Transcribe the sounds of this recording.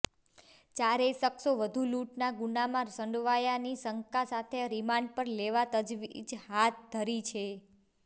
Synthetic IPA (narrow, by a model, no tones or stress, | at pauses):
t͡ʃaɾesəksoʋəd̪ʱuluʈnaɡunamãɾsəɳɖʋajanisəŋkasat̪ʰeɾimãɳɖpəɾleʋat̪əd͡ʒʋid͡ʒɦat̪̚d̪ʱəɾit͡ʃʰe